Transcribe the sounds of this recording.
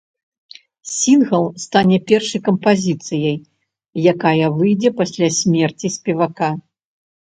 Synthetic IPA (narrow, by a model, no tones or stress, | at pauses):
sʲinɣɐlˠst̪anʲɛpʲɛrʂɐjkɐmpazʲit̪sɨjɐj | jakajɐvɨjd͡zʲɛpasʲlʲasʲmʲɛrt͡sʲisʲpʲɛvaka